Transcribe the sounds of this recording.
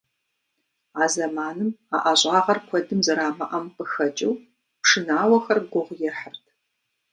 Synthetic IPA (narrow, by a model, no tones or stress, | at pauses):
aːzɐmaːnɨma̰ːʔaɕʼaːʁɐrkʷʰɔdɨmzɐɾaːmɐʔɐmpɨxɐt͡ʃʼɪw | pʂɨnaːwɐxɐrɡʷʊʁʷjɛrħərtʰ